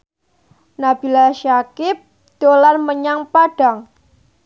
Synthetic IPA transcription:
nab̥i̤laʃakɪp̚ | d̪̥olarməɲaŋpaɖ̥a̤ŋ

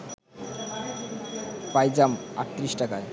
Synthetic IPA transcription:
pajd͡ʑama̰ʈt̪ːɾiʃʈakae

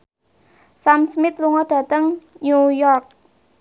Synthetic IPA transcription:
samsmɪt̪luŋɔɖ̥ä̤t̪əŋnujɔrk̚

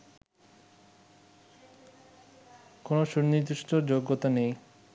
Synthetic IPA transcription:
konoʃuɾnid̪uʃʈod͡ʑoɡːot̪anej

